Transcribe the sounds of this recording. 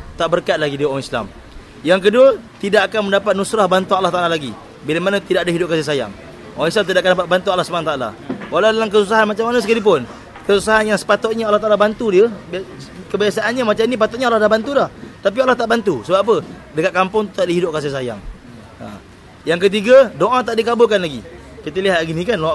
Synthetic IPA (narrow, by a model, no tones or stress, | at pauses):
t̪aʔbərkat̪̚laɡidioaŋisla̰m | jaŋk̬əduət̪idaʔakanməndapat̪̚nusɾahbant̪ualːaht̪aʔalalaɡi | bilamanat̪idaʔdaɦidʊp̚kasis̬aja̰ŋ | ʔɔãŋis̬lamt̪idaʔakandapat̪̚bant̪ualːahsu̥pənat̪aʔala̰walawdalamkəsus̬aɦanmat͡ʃamanasəkalip̬ʊn | kəsusaɦanjaŋsə̥pat̪ʊt̪̚ɲaalaht̪alabant̪udiəbkəbiasaʔːnɲamat͡ʃamnip̬at̪ʊt̪̚ɲalahdahbant̪udaht̪ap̬ialːaht̪aʔbant̪usəbapap̬ədəkat̪̚kampʊŋt̪u̥t̪aʔdiɦidʊp̚kas̬is̬aja̰ŋ | a̰ | jaŋk̬ət̪̬iɡadoʔãt̪aʔdikabʊkanlaɡḭ | kit̪əliɦat̪ɡinĩkanoa